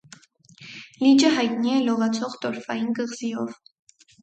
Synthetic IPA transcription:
lid͡ʒəɦɑjt̪niɛlɔʁɑt͡sʰɔʁt̪ɔɾfɑ̰jinɡəʁzijɔv

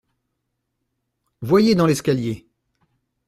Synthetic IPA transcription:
vwajed̪ɑ̃lɛskʲalje

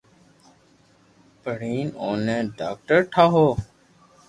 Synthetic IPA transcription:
pəɽiːnoːnẽːɖaːk̚ʈəɾʈʰaːɦoː

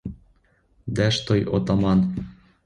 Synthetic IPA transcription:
d̪æʃt̪ojo̰t̪ɑmɑn

